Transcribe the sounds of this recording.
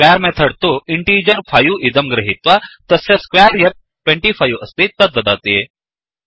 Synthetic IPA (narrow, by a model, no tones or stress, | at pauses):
skʋaɾmɛ̃t̪ʰəɽt̪oiɳʈid͡ʑəɾfajuːid̪əmɡɾəɦit̪ʋat̪əsẽskʋaɾjɐk̚ | ʈʋẽɳʈifajuʔəst̪it̪əd̪̚ʋəd̪at̪ːje